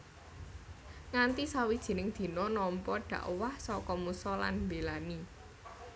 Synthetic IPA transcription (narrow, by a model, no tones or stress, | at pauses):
ŋant̪isawid̥ʒ̥i̤nɪŋd̪̥i̤nɔnɔmpɔɖ̪̥ä̤ʔwahsɔkɔmusɔla̰nmbelani